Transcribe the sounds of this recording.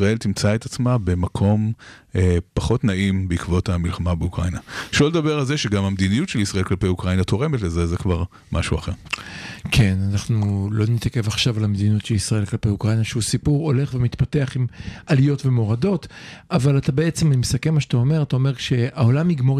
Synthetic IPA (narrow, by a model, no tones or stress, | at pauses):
ʁae̞lt̪imt͡saet̪at͡smabe̞makʰo̞mepaχo̞t̪naʔimbeikvo̞t̪hamilχamabeukʁainaʃoled̪abeʁalzeʃeɡamamd̪inijutʃelisʁaʔelklapejukʁainat̪o̞ʁe̞metlezezekvaʁ | ma̰ʃuaχe̞ʁkʰe̞nanaχnulo̞nit̪ake̞vaχʃavalamed̪iniotʃelisʁae̞lklapejukʁajnaʃeusipuʁo̞le̞χvemit̪pate̞aχimalijo̞tve̞mo̞ʁado̞tavalatabe̞et͡semimesakemːaʃat̪ao̞me̞ʁat̪ao̞me̞ʁʃe̞aolamiɡmo̞